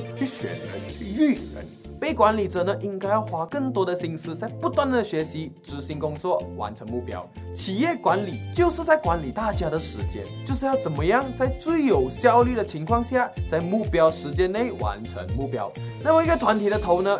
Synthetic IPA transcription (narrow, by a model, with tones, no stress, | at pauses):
t͡ɕy˥˧˩ɕɥɛ̰˨˦nə̰˧˥˨y˥˩ə̰˧˦n | pe˥˩ɪkwa˧˦˥nli˨˩ʈ͡ʂə˨˩nə˦ʔi˧˥ŋka˥ɪjɑ˥˩˧ʊxwa˧˥kə˥˩ŋt̪wɔ˥ɾə˨ɕi˥nsɹ̩˥t͡sa˥˧ɪpu˧˥t̪wa˥˩nd̪ə˩ɕɥɛ˧˥ɕi˧˥ʈ͡ʂɻ̩˧˥ɕi˧˥ŋkʊ˥ŋt͡swɔ˥˩wa̰˧˥nʈ͡ʂʰə˧˥ŋmu˥˩pjɑ̰˥ʊ | t͡ɕʰi˨˩jɛ˥˩kwa˧˥nli˨˩˦t͡ɕjo˥˧ʊʂɻ̩˥˧t͡sa˥˩ɪkwa˧˥nli˨˩t̪a˥˩t͡ɕja˥ɾə˨ʂɻ̩˧˥t͡ɕjɛ̰˥nt͡ɕjo˥˧ʊʂɻ̩˥˧jɑ˥˩ʊt͡sə˨˩nmə˦jɑ˥˩ŋt͡sa˥˧ɪt͡swe˥˩ɪjo˨˩ʊɕjɑ˥˧ʊly˥˩d̪ə˩t͡ɕʰi˧˥ŋkʰwɑ˥˧ŋɕja˥˩t͡sa˥˧ɪmu˥˩pjɑ˥ʊʂɻ̩˧˥t͡ɕjɛ˥nːe˥˩ɪwa̰˧˥nʈ͡ʂʰə̰˧˥ŋmu˥˩pjɑ̰˥ʊ | na˥˩mə˩i˧˥ɡə˧t̪ʰwa˧˥nt̪ʰi˨˩də˧t̪ʰo˧˥ʊnə˧